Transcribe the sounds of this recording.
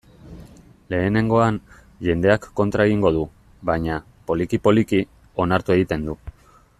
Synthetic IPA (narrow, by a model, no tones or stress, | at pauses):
le̞ːne̞ŋɡo̞an | ʝe̞nd̪e̞akːo̞nt̪ɾaeɣ̞iŋɡo̞ð̞u | βaɲa | po̞likipo̞liki | o̞naɾt̪ue̞ɣit̪e̞nd̪u